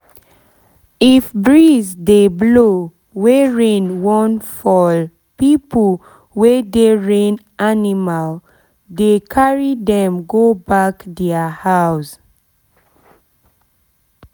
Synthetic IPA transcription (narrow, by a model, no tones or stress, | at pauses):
ifbɹizdeblo | wɛɹẽnwɔ̃nfɔl | pipl | wɛdeɹẽn | animal | dekʰaɹidɛ̃mɡobakdɛəhaws